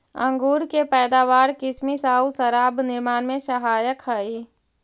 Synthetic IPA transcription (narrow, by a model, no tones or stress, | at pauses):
ə̰̃ŋɡuːɾkepɛːd̪aːʋaːɾkɪsmisaːusəɾaːbnɪɾmaːnmẽsəɦaːjəkɦəi